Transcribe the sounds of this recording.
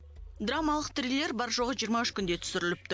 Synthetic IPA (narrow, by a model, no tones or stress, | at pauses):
d̪ɾamɑlˠəq̚t̪rilːe̞ɾbɑɾʒo̞ʁəʒijəɾmɑʏʃkʲʰʏnd̪e̞t̪ʰʏ̥sɪɾɪlɪp̚t̪ɪ